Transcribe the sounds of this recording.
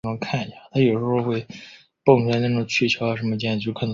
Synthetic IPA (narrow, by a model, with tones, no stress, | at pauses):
ə˧˥˧kʰa˥˩n˩ɕa˩t̪ʰa˥jo˨˩ʊʂ̩˧˥xo˥˧xwe˥˧ɪ | pɤ˥˧ŋʈ͡ʂʰu˧˥a˧na˥˩ʈ͡ʂʊ˨˩ŋt͡ɕʰy˥˩t͡ɕʰjo˧˥ʊa˧˩ʂə˧˥nmə˧t͡ɕjɛ˥˧n̩˧˨˧t͡ɕo˥˩kʰa˨˩n